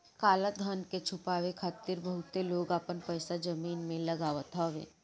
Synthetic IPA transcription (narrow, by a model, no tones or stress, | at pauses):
kaːləd̪ʱɐnket͡ʃʰʊpaːʋekʰaːt̪ːiɾbəɦʊt̪ːeloːɡaːpənpəjsad͡ʒɐmiːnmẽlɐɡaːʋət̪ʰaʋḛː